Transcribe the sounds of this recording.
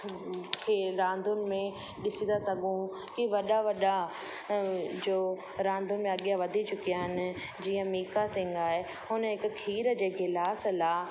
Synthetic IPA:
kʰeːɾãːnd̪ʱʊnɪ̆mẽ | ɗɪsĩnd̪asɐɡʱũ | kiʋɐɗaʋɐɗa | d͡ʑoː | ɾãːnd̪ʱʊnɪmẽɐɠijãʋɐd̪ʱit͡ɕʊkijaɦɪnɪ̆ | d͡ʑiːə̃miːkasɪ̃ŋɡaːɦe | ɦʊnəɦɪkkʰiːɾd͡ʑeːkʰɪlaːsəlaː

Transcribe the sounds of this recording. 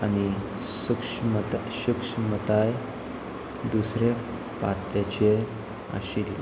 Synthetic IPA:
añi | ɕukʂmt̪ɕukʂmət̪aj | d̪usɾe | paɾʈ̪at͡ɕe | a̰ɕil

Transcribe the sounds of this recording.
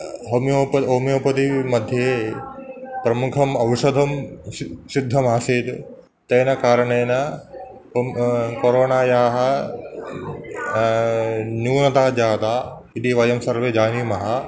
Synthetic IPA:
ɦomjoːpɐɦomjoːpɐt̪imɐd̪ʱje | pɾɐmukʰɐmɐʋɐʃɐd̪ʱɐm | sid̪ʱːɐmaːsiːd̪ | t̪ɐjnɐkaːɾɐɳɐjnɐ | koɾoːnaːjɐɦɐ | njuːnɐt̪aːd͡ʒaːt̪aː | id̪iʋɐjɐmsɐɾʋed͡ʒaːnimɐɦɐ

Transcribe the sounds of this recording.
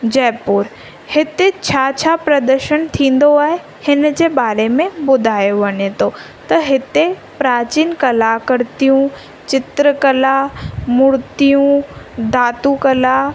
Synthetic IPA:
d͡ʑɛːpʊːɾ | hɪt̪et͡ɕʰaːt͡ɕʰapɾɐd̪əɾʃənt̪ʰĩːn̆d̪oaːɦe | hɪnd͡ʑeːbaːɾemẽbʊd̪ʱaːjoʋɐɲet̪o | t̪ɐɦɪt̪e | pɾaːt͡ɕiːnkɐlakɐɾt̪ijũ | t͡ɕɪt̪ɾəkɐlamʊɽt̪ijũd̪ʱaːt̪ukɐla

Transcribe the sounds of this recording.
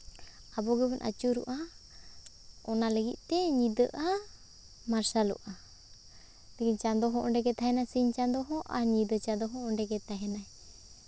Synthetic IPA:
abɔɡəbɛnʔa̰t͡ʃuɾṵʔa | ɔnaləɡit̪̚ˀʈɛɲid̪əʔa | maɾsalṵʔa | lɛkiɲt͡ʃand̪ɔɦɔ̃ʔɔɳɖɛɡɛt̪aɦɛnasiɲt͡ʃand̪ɔɦɔ̃ʔaɲid̪ət͡ʃad̪ɔɦɔ̃ɔɳɖɛɡɛt̪aɦɛnaɛ

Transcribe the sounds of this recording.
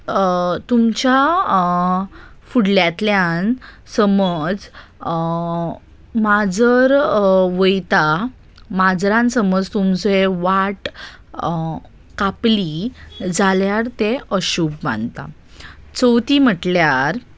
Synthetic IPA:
t̪umt͡ɕa | fuɽljat̪ljan | səməd͡z | mad͡zəɾʋəjt̪a | mad͡zɾãnsəməd͡zt̪umt͡seʋaʈ | kaplid͡zʱaljaɾt̪eəɕupma̰nt̪a̰ | t͡səwt̪im̤əʈljaɾ

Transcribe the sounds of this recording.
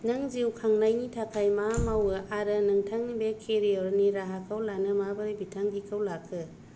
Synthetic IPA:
nɐŋziwkʰaŋnajnitʰakʰajmamawɯʔaɾɐnɐŋtʰaŋbekʰːeɾiɔɾniɾaɦakʰawlanɯmabɯɾibitʰaŋɡikʰawlakʰːɯ

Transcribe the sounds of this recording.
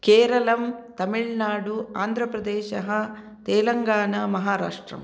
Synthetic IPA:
keːɾɐlɐmt̪ɐmiɭnaːɽuaːnd̪ʱɾɐpɾɐd̪ɛːʃɐɦɐ | t̪ɛːlɐŋɡaːɳɐmɐɦaːɾaːʂʈɾɐ̰m

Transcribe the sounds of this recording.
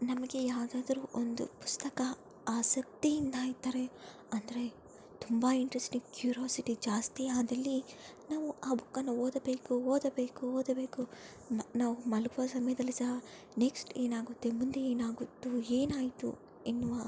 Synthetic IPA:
nɐmɐɡe̞jaːʋd̪aːd̪ɐɾuːʔond̪upu̥st̪ɐkɐ | aːsɐk̚t̪ijind̪aːit̪ːaːɾe | ɐnd̪ɐɾe̞ | t̪umbaiɳʈɾesʈiŋɡkjuːɾoːsiʈid͡ʒaːst̪iaːd̪ɐlːinaːʋuaːbʱukːɐnːuoːd̪ɐbeːkuɦoːd̪ɐbe̞ːkuɦoːd̪ɐbe̞ːku | naːʋumɐlɡuʋɐsɐmɐjɐd̪ɐlːisɐɦ | neksʈe̞ːnaːɡut̪ːemund̪eeːnaːɡut̪ːue̞ːnaːjt̪ṵ | enːuʋa

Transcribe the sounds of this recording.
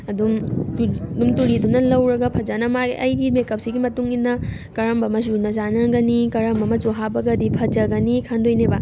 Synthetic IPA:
ɐdum | dumtuɾidunɐlɐwɾɐɡɐpʰɐd͡ʒanɐmaɡḭʔɐjɡimekɐp̚siɡimɐtuŋinːɐ | kɐɾɐmbɐmɐzuɾnɐzanɐɡɐnikɐɾɐmbɐmɐzuɦabɐɡɐdipʰɐd͡ʒɐɡɐnikʰandojnebɐ

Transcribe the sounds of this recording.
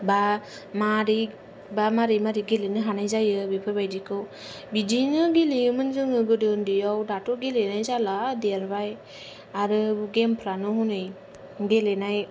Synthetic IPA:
ba | maɾi | bamaɾijmaɾiɡelenɯɦanajzajɯbepʰɯbajdikʰɯw | bidinɯɡeliɯmɯnzɯŋɯɡɯdɯndiɔwdatoɡelenajzaladeaɾbaj | aɾɯɡempʰɾanɯɦunɯj | ɡelenaj

